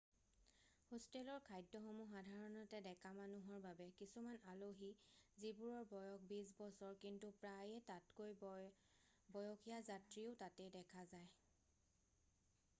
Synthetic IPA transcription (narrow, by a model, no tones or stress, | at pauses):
hostelɔɹkʰajdɔxɔmuxadʱaɹɔnɔtɛdɛkʰamanuɦɔɹbabɛkisumanaloɦizibuɹɔɹbɔjɔk̚bis̬bɔsɔɹkintupɹajɛtatkoj | bɔjɔkʰijazatɹiʊtatɛdɛkʰazaj